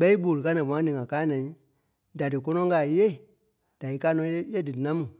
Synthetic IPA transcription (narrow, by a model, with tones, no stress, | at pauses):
ɓɛ˦i˦ɓo˨lɨ˨ka˦nã˨mɔ̃˨ã˦nĩ˨ŋã˨kaː˦nɛ̃˨ĩ˦ | da˨dɨ˨kɔ˦nɔ̃˦ŋ˦ɡa˨je˦˨ | d̥a˨i˨˦kaː˦nɔ̃˧˦jje˦dɨ˨nã˦mũ˨